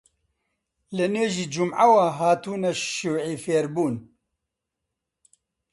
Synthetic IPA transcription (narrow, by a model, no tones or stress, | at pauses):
lɨneːʒiːd͡ʒumʕawaɦaːt̪uːnɐʃuwʕiːfeːɾbuːn